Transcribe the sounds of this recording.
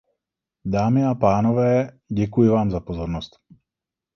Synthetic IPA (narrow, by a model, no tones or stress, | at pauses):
daːmɪapaːnovɛː | ɟɛkujɪvaːmzapozo̞ɾnost̪